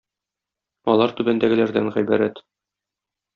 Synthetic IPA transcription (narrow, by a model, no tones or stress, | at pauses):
ɒlˠɑɾt̪ʉbænd̪æɡɘ̆læɾd̪æŋʁæjbæɾæt̪